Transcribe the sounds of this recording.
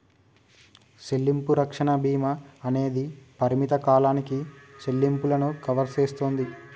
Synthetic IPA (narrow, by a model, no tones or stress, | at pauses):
ʃe̞lːimpuɾɐkʂɐɳɐbʱiːmɐːne̞ːd̪ipɐɾimit̪ɐkaːlaːnikise̞lːimpulɐnukɐʋɐɾseːst̪oːnd̪i